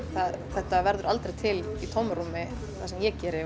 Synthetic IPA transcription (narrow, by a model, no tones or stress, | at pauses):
θaðθɛht̪avɛɾðʏɾalt̪ɾejt̪ʰɪlit̪ʰowmɾumɪ | θasɛmjɛcɛːɾɪ